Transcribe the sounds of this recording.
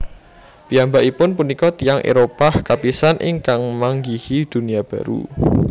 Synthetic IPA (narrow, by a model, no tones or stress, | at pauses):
piambaʔipʊnpunikɔt̪ijaŋʔḛɾopahkapisanʔɪ̰ŋkaŋmaŋɡihid̪̥ṳnijab̥a̤ɾṵ